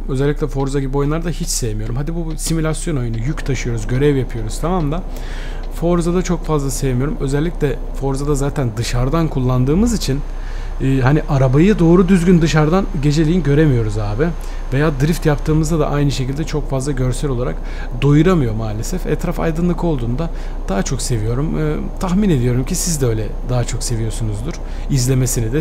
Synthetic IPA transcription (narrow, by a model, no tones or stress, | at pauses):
ø̞zɛlʲːicʲlʲɛfo̞ɾzaɡɟibojnˠaɾd̪ahit͡ʃse̞jemijo̞ɾumhad̪ibusimulʲasjo̞no̞junujyct̪ʰaʃɯjo̞ɾuzɟø̞ɾɛvjapʰɯjo̞ɾuz̥t̪ʰamamlˠa | fo̞ɾzad̪at͡ʃʰo̞kfazlˠasejemijo̞ɾumø̞zɛlʲːicʲlʲɛ | fo̞ɾzad̪azaːt̪ʰænd̪ɯʃaɾd̪ankʰulˠːand̪ɯːmɯzit͡ʃʰinː | ɦaniʔaɾabajɯd̪o̞ːɾud̪yzɟʲynd̪ɯʃaɾd̪anɟe̞d͡ʒe̞lʲijinɟø̞ɾe̞mijo̞ɾuzaːbɪ | ve̞jaːd̪ɯɾift̪japt̪ʰɯːmɯzd̪ad̪a̰ʔajnɯʃecilʲd̪ɛt͡ʃʰo̞kfazlˠaɟø̞ɾsɛlʲo̞lˠaɾa̰k | d̪o̞juɾamɯjo̞maːlʲe̞sɛfɛ̰t̪ʰɾafa̰jd̪ɯnlˠɯkʰo̞lˠd̪uːnd̪a | d̪̥aɦat͡ʃʰo̞kse̞vijo̞ɾumɯ̰ | t̪ʰaxmine̞d̪ijo̞ɾumcʰisizd̪ɛø̞jlʲɛ | d̪aɦat͡ʃʰo̞kse̞vijo̞sunuzd̪uɾ̥ | izlʲe̞mesinid̪ɛ